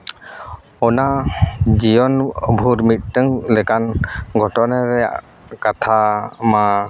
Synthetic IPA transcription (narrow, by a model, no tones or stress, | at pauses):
ɔnad͡ʒijɔnbʱuɾmit̚tɯŋlɛkanɡʱɔʈɔnaɾɛ | kat̪ʰama